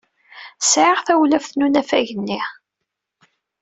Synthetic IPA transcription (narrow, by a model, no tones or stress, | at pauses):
sʕəʁθæwlæfθnunæfæʝənːi